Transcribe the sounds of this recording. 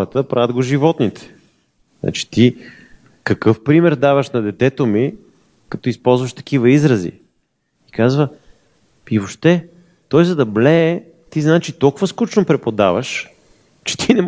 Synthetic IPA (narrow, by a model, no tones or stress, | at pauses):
ɾət̪əpɾavʲəd̪ɡoʒivɔt̪nit̪ɛ̥ | nʔa̰t͡ʃi̥t̪i | kɐkɤfpɾimɛɾd̪avəʃnɐd̪ɛt̪ɛt̪omi | kɐt̪ɔispɔlˠzvɐʃt̪ɐ̥k̟ivəizɾəzḭ | ikazvə | ivoʃt̪ɛ | t̪ɔjzɐd̪ɐblɛː | t̪iznaɛt͡ʃit̪ɔlˠkʊvəskut͡ʃnopɾɛpod̪avəʃ | t͡ʃɛ̥t̪inɛm